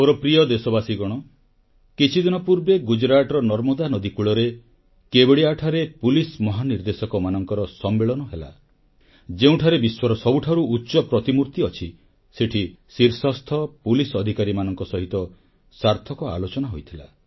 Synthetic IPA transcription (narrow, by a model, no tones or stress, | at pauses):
oɾɔpɾiɔd̪esɔbasiɡɔɽ̃ɔ | kit͡ʃʰid̪inɔpuɾbeɡud͡ʒɾaʈɔɾɔnɔɾmɔd̪anɔd̪ikuɭɔɾe | kebeɽiaʈʰaɾepulismɔɦaniɾd̪esɔkɔmanɔŋkɔɾɔsɔmːeɭɔnɔɦela̰ | d͡ʒeũʈʰaɾebiswɔɾɔsɔbuʈʰaɾuːtːʃɔpɾɔt̪imuɾt̪iɔt͡ʃʰi | seʈʰisiɾsɔst̪ʰɔpulisɔd̪ʱikaɾimanɔŋkɔsɔɦit̪ɔ | saɾt̪ʰɔkɔa̰lot͡ʃɔnaɦojt̪ʰila̰